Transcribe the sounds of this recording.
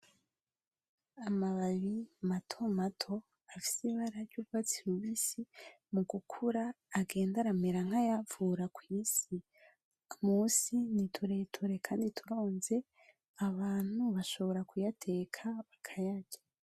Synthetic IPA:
amaβaβimatʰo̞matʰo̞ | afi̥siβaɾaɾɟuɡɡwat͡siɾuβisi | muɡukʰuɾaː | ɡe̞ːndaɾameɾaŋhajavuɾakwiːsi | muːsinitʰuɾetʰuɾe̞kʰaːnditʰuɾo̞ːnze̞ | aβaːn̥huβaʃo̞βo̞ɾakujatʰe̞ːkʰaβakʰajaɟa

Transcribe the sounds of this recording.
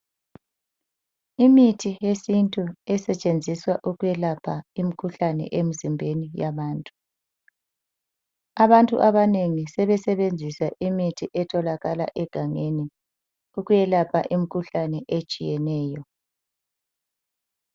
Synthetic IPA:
imitʰijesintʼuɛsɛt͡ʃʼend͡zʱiswaʔuɣujɛlapʰaimikʰuɬanɛ̰ʔem̩zimbʱenijaβaːntʼu̥ | aβantʼṵʔaβaneŋisɛβɛsɛβend͡zʱisaʔimitʰiʔɛtʰɔlaɣala̰ʔɛɡ̥ʱaŋeni | uɣujɛlapʰa̰ʔim̩ikʰuɬanɛʔet͡ʃʼijɛnɛːjɔ

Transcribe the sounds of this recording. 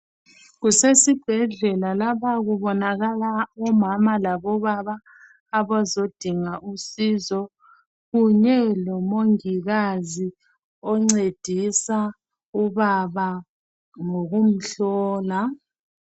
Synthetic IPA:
ɣusesib̥ʱɛɮɛlalaβaɣuβɔnaɣalaɔmamalaβɔβaβaː | βazod̥ʱiŋaʔusizɔ | ɣuɲɛlɔmoŋiɣazi | ɔŋ͡ǀed̥ʱisa | uβaβa | ŋoɣum̩ɬɔːla

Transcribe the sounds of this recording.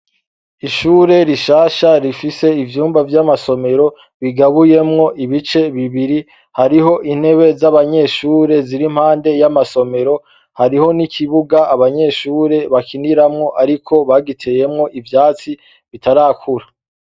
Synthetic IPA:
iʃuːɾe̞ɾiʃaːʃaɾifise̞ivjuːmbavjamaso̞me̞ɾo̞ | βiɡaβuje̞mŋo̞ʔiβit͡ʃe̞βiβiɾi | haɾiɦo̞ʔin̥he̞βe̞zaβaɲe̞ʃuːɾe̞ziɾim̥haːnde̞jamaso̞me̞ɾo̞ | haɾiho̞nikʰiβuɡaːβaɲe̞ʃuːɾe̞βakʰiniɾamŋo̞ʔaɾikʰo̞βaɡitʰeje̞mŋo̞ʔivjaːt͡si | βitʰaɾakʰuɾa

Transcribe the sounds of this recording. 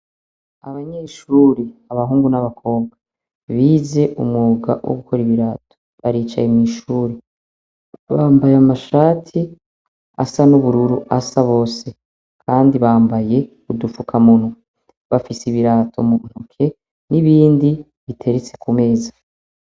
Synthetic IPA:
aβaɲeːʃuːɾeaβaɦuːŋɡunaβakʰo̞ːŋɡa | βiːze̞ʔṵmŋuɡa̰wʔo̰ɡukʰo̞ɾiβiɾaːtʰo̞̥ | βaɾiːt͡ʃa̰jemŋiːʃuːɾe | βaːmbajamaʃaːtʰi | a̰sanuβuɾuɾuʔasaβo̞ːse̞ | kʰaːndiβaːmbaje̞ | udufukʰamun̥u | βafisiβiɾaːtʰo̞muːn̥hukʰe̞ | niβiːndi | βitʰe̞ɾet͡se̞̥kume̞ːza

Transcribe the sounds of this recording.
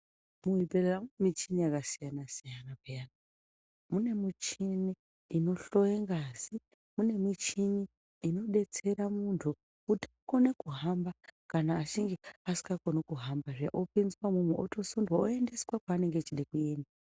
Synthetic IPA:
muibereramuemit͡ʃinijakasijanasijanapejana | mune̞mit͡ʃiniː | no̞ɬo̞jeŋɡazi | mune̞mit͡ʃiniː | no̞ɗe̞t͡se̞ɾamuntʰu | kutiako̞ne̞kuɦambakanaːt͡ʃiŋɡeasi̥ɡako̞nokuɦambaʐaʔopinzwamumweoto̞sundwaoe̞nde̞swakaːne̞ŋɡet͡ʃiɗekue̞ːnda

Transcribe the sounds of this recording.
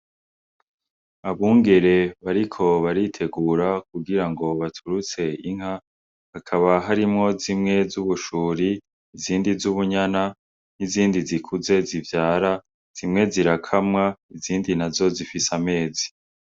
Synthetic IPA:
aβuːŋɡe̞ɾe̞βaɾikʰo̞βaɾitʰe̞ɡuːɾak̚uɡiɾaŋɡo̞βatʰuɾut͡se̞iŋɦha | hakʰaβaɦaɾimŋo̞zimŋe̞zuβuʃuːɾiː | ziːndizuβuɲana | n̥iziːndizikʰuze̞zivjaːɾa | z̥imŋe̞ziɾakʰamŋaiziːndinazo̞zifisame̞ːzi

